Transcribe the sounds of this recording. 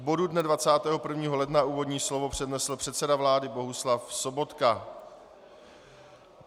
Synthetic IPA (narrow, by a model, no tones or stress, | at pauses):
bo̞dudnɛdvat͡saːt̪ɛːɦo̞pr̩vɲiːɦo̞lɛdnauːvo̞dɲiːslo̞vo̞pr̥ɛdnɛsl̩pr̝̥ɛt̪sɛdavlaːdɪbo̞ɦuslafso̞bo̞t̪ka